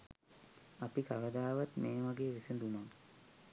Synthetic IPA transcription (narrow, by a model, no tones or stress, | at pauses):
ɐpikaʋɐd̪aːʋat̪meːʋaɡeːʋisend̪umaŋ